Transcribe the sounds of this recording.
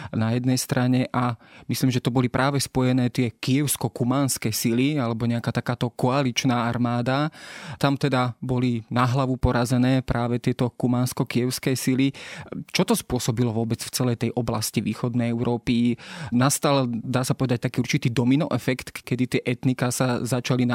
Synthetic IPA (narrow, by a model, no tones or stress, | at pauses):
najɛd̪nɛjst̪ɾʔaɲɛʔamisliːmʒɛt̪ɔbɔlipɾʔaːʋɛspɔjɛnɛːt̪ɪɛkijɛʊskɔkumaːnskɛsilialɛbɔɲɛakaːt̪akaːt̪ɔkɔalit͡ʃnaːaɾmaːd̪at̪amt̪ɛd̪abɔlinaɦlaʋupɔɾazɛnɛːpɾʔaːʋɛt̪ɪɛt̪ɔkumaːnskɔkiɛʊskɛsilit͡ʃɔt̪ɔspʊɔsɔbilɔʋʊɔbɛt͡sft͡sɛlɛjt̪ɛjʔɔblasciʋiːxɔd̪nɛjɛʊɾʔɔːpinast̪ald̪aːsapɔʋɛd̪ac̚t̪akiːuɾt͡ʃit̪iːd̪ɔminɔʔɛfɛkt̪kɛd̪it̪ɪɛʔɛt̪nikasazat͡ʃalina